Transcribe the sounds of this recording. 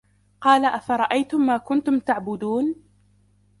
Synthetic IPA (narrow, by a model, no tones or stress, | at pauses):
qɑːlaʔafɑɾˤɑʔajt̪ʊmːaːkʊnt̪ʊmt̪aʕbʊd̪uːn